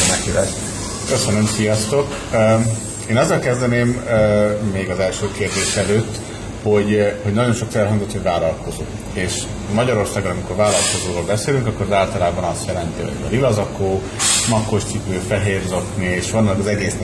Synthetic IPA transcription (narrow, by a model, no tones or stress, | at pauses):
nɛkiɛ | køsønømsijɒst̪o̞kː | eːnɒzːɒlkɛzd̪ɛneːmː | eːɡɒzɛlʃøːkeːrd̪eːʃɛløːt̪ː | ho̞ɟho̞ɟnɒɟo̞nʃo̞kfɛlɦɒŋzot̪ho̞ɟvaːlɒlkʰo̞zo̰ː | eːʃ | mɒɟɒɾo̞rsaːɡonɒmiko̞rvaːlɒlko̞zoːɾoːlbɛseːlyŋkɒkːo̞ɾɒzaːlt̪ɒlaːbɒnɒst̪jɛlɛnt̪iɦo̰ɟvɛ̰lilɒzɒkoː | mɒkːo̞ʃt͡ʃipøːfɛɦeːrzo̞knieːʃʋɒnːɒkɒzɛɡeːsnɛ